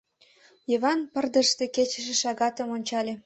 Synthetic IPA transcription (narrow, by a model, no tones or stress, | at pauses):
jiβɑnpərd̪ə̆ʃt̪eket͡ɕə̥̆ʃĕʃɑɣɑt̪əmonʲt͡ɕɑlʲe